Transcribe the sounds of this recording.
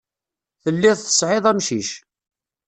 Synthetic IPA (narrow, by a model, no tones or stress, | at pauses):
θəlːɪðθə̥sʕɪðˤæmʃiʃ